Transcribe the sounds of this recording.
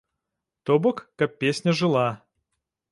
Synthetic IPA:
t̪obokːak̚pʲesʲnʲəʐɨlˠa

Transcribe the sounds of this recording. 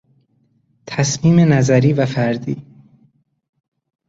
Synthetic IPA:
t̪ʰæsmiːmenæzæɾiːvæfæɾd̪ḭː

